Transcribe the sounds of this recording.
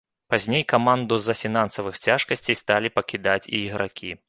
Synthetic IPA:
pazʲnʲejkamand̪uzɐfʲinansɐvɨxt͡sʲaʂkɐsʲt͡sʲɛjst̪alʲipɐkʲid̪at͡sʲḭːɣɾakʲʰi

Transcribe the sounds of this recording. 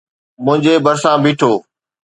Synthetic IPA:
mʊ̃ɦɪ̃ɲd͡ʑeːbəɾsãːbʱiːʈʰoː

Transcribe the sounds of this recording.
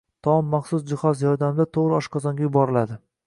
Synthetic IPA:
t̪ʰɒmːaχsʊsd͡ʒɪχɒzjɒɾd̪amd̪at̪ʰoʁɾɪɒʃqʰɒzɒŋɡʲajʊbɒɾɪlad̪ɪ

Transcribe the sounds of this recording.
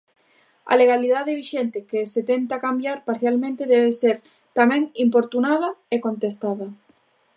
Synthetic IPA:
a̰leɣ̞aliðaðeβiʃent̪ekeset̪ent̪akambjaɾpaɾθjalmẽnt̪eðɛβ̞eseɾ | t̪amɛ̃ŋimpoɾt̪unað̞ɐekont̪est̪aðɐ

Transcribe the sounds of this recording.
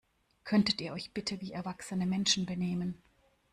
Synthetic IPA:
kʰœntətiːɐɔʏçb̥ɪtʰəviːɛɐvaksənəmɛnʃn̩bəneːmən

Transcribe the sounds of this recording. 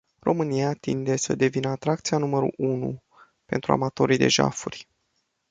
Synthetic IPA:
ro̞mɨnijat̪ind̪e̞səd̪e̞vinəat̪ɾakt̪sijanuməɾṵʔunṵ | pe̞nt̪ɾua̰mat̪o̞ɾijd̪e̞̰ʒa̰furʲ

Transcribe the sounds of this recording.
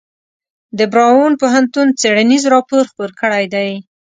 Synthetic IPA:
d̪əbɾɑwonpoɦant̪unt͡seɽanizɾɑpoɾxpoɾkəɽajd̪aj

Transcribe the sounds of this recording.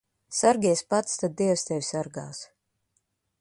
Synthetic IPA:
saɾɡʲiɛspat̪st̪ad̪̚d̪ːiɛwst̪ɛvʲsaɾɡaːs

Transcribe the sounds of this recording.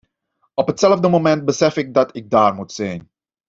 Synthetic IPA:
ɔpɦətsɛlvdəmomɛnt̚bəsɛfɪɡ̚dɑtɪɡ̚daːrmutsɛjn

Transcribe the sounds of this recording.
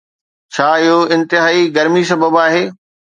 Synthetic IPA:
t͡ɕʰaːɪɦoɪ̃nt̪ɪɦaːiɡɐɾmis̬ɐbəbaːɦeː

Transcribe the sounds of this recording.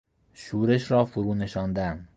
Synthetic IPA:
ʃuːɾe̞ʃɾɒːfoɾuːneʃɒːnd̪æn

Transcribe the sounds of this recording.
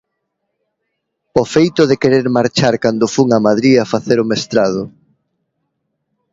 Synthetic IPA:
ofejt̪ʊðekeɾeɾmaɾt͡ʃaɾkand̪ʊfuŋamaðɾiafaθeɾʊmest̪ɾað̞ʊ

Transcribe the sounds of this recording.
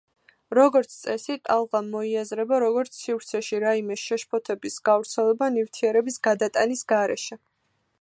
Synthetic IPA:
ɾɔɡɔɾt̪sʰt̪sʼɛsit̪ʼalˠʁamːɔiazɾɛbaɾɔɡɔɾt̪sʰːivɾt̪sʰɛʃiɾaimɛʃɛʃpʰɔt̪ʰɛbisɡ̥avɾt̪sʰɛlɛbanift̪ʰiɛɾɛbisɡad̪at̪ʼanisɡaɾɛ̰ʃɛ

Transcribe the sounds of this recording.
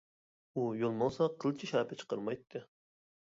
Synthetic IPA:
ujolˠmɑlˠsɑqʰəlˠɨt͡ʃʰiʃɑːpʰɪt͡ʃʰə̥qəɾmɑjt̪ʰːɨ

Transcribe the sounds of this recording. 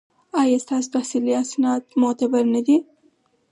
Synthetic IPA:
ɑjɑst̪ɑsot̪ahsiliasnɑt̪mʊt̪abaɾnad̪i

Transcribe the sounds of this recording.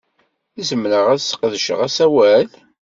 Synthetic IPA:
izəmːɾəʁæðsə̥qðəʃə̰ʁæsæwæl

